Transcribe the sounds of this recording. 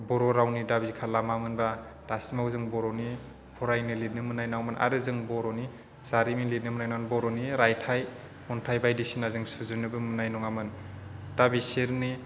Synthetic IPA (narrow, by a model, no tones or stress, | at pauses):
bɔɾɔɾawnidabizikʰalamamɯnba | d̥asimawzɯŋbɔɾɔni | pʰɔɾajnɯlinɯmɯnajnawmɯnʔa̰ɾɯzɯŋbɔɾɔni | z̥aɾimilinɯmɯnajnamnbɔɾɔniɾajtʰaj | mɔntʰajbajdisinazɯŋsuzɯnɯbɯmɯnajnɔŋamɯnd̥abiseɾni